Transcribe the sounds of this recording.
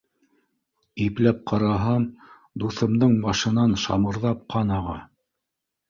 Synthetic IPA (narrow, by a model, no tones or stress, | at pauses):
iplæp̚qʰɑɾɑɦɑm | d̪uθɤ̆md̪ɤɴmɑʃɤ̆nɑnʃɑ̰mɤ̆ɾðɑp̚qʰɑnɑʁɑ